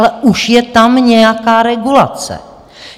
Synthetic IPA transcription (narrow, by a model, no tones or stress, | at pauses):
lɛʔuʃjɛt̪amɲɛjakaːɾɛɡula̰t͡sɛ̰